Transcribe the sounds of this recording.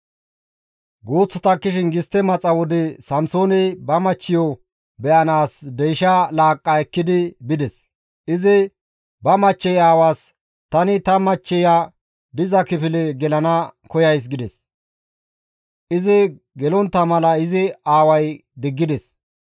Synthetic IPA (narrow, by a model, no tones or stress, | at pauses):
ɡoːt͡sːɔt̪ɐkːɪʃɪnɡɪst̪ːɛmɐt͡sʼːɐwɔd̪ɛsɐmsoːnɛjbɐmɐt͡ʃːɪjɔ | bɛʔɐnaːsd̪ɛjʃɐlaːkʼːɐɛkːɪd̪ɪbɪd̪ɛs | ʔɪzɪ | bɐmɐt͡ʃːɛjaːwaːs | t̪ɐnɪt̪ɐmɐt͡ʃːɛja | d̪ɪzɐkɪpɪlɛɡɛlɐnɐkɔjɐjs̬ɡɪd̪ɛs | ʔɪzɪ | ɡɛlɔnt̪ːɐmɐlɐɪzɪaːwɐjd̪ɪɡːɪd̪ɛs